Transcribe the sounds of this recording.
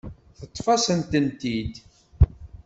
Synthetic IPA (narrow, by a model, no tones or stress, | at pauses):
θət̪ˤːfɑsənt̪ənt̪id̪